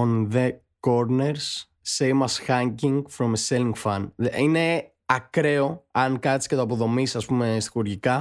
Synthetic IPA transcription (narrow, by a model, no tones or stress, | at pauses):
onðe | koɾneɾsː | ejmɐsxɐɲciŋɡfɾomeselĩŋɡfɐnðine̞ | ɐkɾe̞o̞ɐnkɐt̪iscet̪oɐp̬o̞ðo̞misɐspume̞st̪xuɾʝikɐ